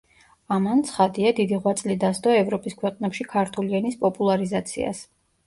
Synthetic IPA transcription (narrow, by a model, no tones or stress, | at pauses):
amant̪sʰχad̪iad̪id̪iʁwat̪sʼlid̪asd̪ʼɔɛvɾɔpʼiskʰwɛqʼnɛpʃikʰaɾt̪ʰulianispʼɔpʼulˠaɾizat̪sʰḭa̰s